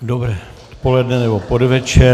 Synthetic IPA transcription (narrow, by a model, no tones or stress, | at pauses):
dobɾɛː | ot̪polɛdnɛnɛbopodvɛt͡ʃɛ